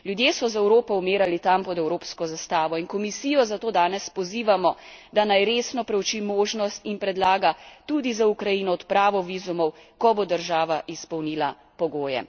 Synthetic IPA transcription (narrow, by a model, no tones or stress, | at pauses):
ljud̪jeːsɔzɛwɾoːpɔumeːɾalit̪ampɔd̪ɛwɾoːpskɔzast̪aːʋɔinkɔmisiːjɔzat̪oːd̪aːnɛspɔziːʋamɔd̪anajɾeːsnɔpɾɛwt͡ʃimoːʒnɔst̪inpɾɛd̪laːɡat̪ud̪izaukɾajiːnɔːt̪pɾaːʋɔʋiːzumɔwkɔbod̪əɾʒaːʋaʔispɔwniːla | pɔɡoːjɛ̰